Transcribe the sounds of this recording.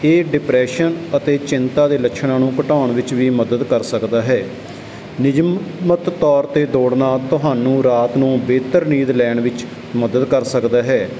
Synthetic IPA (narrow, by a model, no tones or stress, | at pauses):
eːɖɪpɾɛːʃənət̪eːt͡ʃɪnt̪aːd̪eːləkʃʰnãːnũːkəʈaːɳʋɪt͡ʃʋiːməd̪əd̪kəɾsəkd̪aːɦɛː | nɪd͡ʒmmət̪ːɔːɾt̪eːd̪oːɽnaːt̪ʊɦaːnũːɾaːt̪nũːbeːt̪əɾniːd̪lɛːɳʋɪt͡ʃ | məd̪əd̪kəɾsəkd̪aːɦɛː